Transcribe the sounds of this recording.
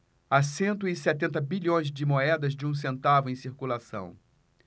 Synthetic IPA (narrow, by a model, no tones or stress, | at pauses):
asẽnt̪ʊɪsɛt̪ẽnt̪ɐbiʎõj̃zd͡ʒɪmoɛd̪ɐzd͡ʒɪũs̬ẽnt̪avʊẽj̃siɾkulasɐ̰̃w̃